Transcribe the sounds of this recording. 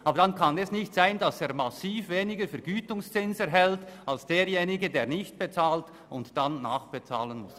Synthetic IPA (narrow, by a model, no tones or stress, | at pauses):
ʔɑːbəɾd̥ankʰɑnɛsnɪçtz̥aɪndɑseːɾmasiːfveːnɪɡəɾfɛɾɡyːtʊŋst͡sɪnsɛɐɦɛltalsd̥eːɾjeːnɪɡədeːɐʁnɪçt̚b̥et͡saːlt | ʊntd̥anːaːχb̥et͡sa̰ːlənmʊs